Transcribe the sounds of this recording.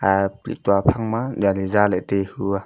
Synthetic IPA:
aplḭk̚tuapʰaŋmadializalatehɯa

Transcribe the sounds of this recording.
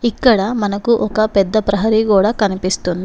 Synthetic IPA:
ikːɐɽɐmɐnɐkuʔɔkɐpɛd̪ːɐpɾɐɦɐɾikuːɽaːkɐnipist̪und̪i

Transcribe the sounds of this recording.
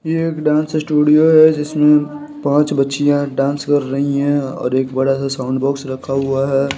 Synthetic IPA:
jeeːkɖãːnssʈuːɖijoɦɛd͡ʒɪsmẽ | pãːt͡ʃbɐtːʃijãɖãːnskɐɾːɐɦiɦɛ̃ɔ̰ːɾeːkbɐɽasasaʊ̃ɳɖbɔːksɾɐkʰaɦuaɦɛː

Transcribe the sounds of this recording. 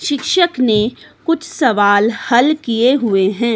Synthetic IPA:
ʃɪkʃəkne | kʊt͡ʃʰsɐʋaːlhɐlkijeɦʊeɦɛ̃ː

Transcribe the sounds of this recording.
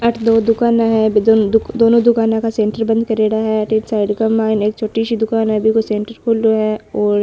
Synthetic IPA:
ɐʈʰd̪oːd̪ʊkaːnaɦɛbʱiod̪oːnõd̪ʊkaːnãkasẽːɳʈəɾbɐ̃nd̪̚kɐɾeːɽaɦɛɐʈeːʈsaːɪɖkamaːɪneːk̚t͡ʃʰoːʈiʃid̪ʊkaːnɦɛbʱikosẽːɳʈəɾkʰʊldoɦɛɔːɾ

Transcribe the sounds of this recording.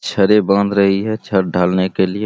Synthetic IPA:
t͡ʃʰəɾebə̃nd̪ɾɐɦiɦɛt͡ʃʰəɾɖʱaːlnekelɪe

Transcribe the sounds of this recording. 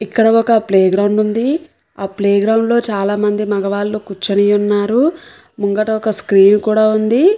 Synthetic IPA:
ikːɐɽɐɔkɐpleːɡɾɐwɳɖund̪i | aːpleːɡɾɐwɳɖlo̞ːt͡ʃaːlaːmɐnd̪imɐɡɐʋaːlːukut͡ʃːɐnijunːaːɾu | muŋɡɐʈɐɔkɐskɾiːnkuːɽaːund̪i

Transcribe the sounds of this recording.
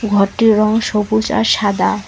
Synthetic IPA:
ɡʱɔɾʈːiɾɔŋʃobut͡ɕa̰ɾʃad̪a

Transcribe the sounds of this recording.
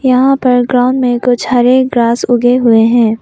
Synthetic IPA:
jɐɦãpɐɾɡɾaːʊ̃nɖmẽkʊt͡ʃʰɦɐɾeːk̚ɡɾaːsʊɡeɦʊeɦɛ̃ː

